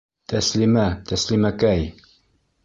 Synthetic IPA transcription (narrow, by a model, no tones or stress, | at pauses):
t̪ʰæslimæt̪æslimækæj